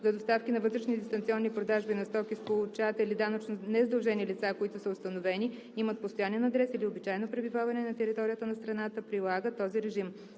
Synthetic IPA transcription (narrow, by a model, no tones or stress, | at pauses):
zɐd̪ost̪afkʲinɐvɤt̪ɾɛʃnid̪ist̪ɐnt̪siɔnːipɾod̪aʒbinɐst̪ɔkʲispolˠʊt͡ʃat̪ilid̪anət͡ʃnonɛzd̪ɐlˠʒɛnilit̪sakoit̪ʊsəʊst̪ɐnovɛni | imət̪̚post̪oʊjaniɛnɐd̪ɾɛsiliobit͡ʃajɛnopɾɛbivavɐnɛnɐt̪ɛɾit̪ɔɾijət̪ənɐst̪ɾɐnat̪əpɾilˠaɡət̪ːɔziɾɛʒim